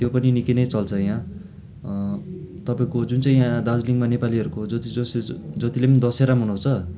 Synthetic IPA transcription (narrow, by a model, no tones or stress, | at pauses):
t̪jopʌninikinʌjt͡sʌlt͡sʰʌjã | t̪ʌpaĩkod͡zunt͡saĩjãd̪ad͡zliŋɡmanepaliʌɾukod͡zʌt̪id͡zʌsd͡zʌt̪ilepʌnid̪ʌseɾamɦunũt͡sʰʌ